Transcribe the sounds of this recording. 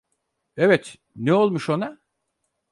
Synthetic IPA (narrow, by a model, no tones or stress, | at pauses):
evɛt̪ | neo̞lˠmuʃo̞na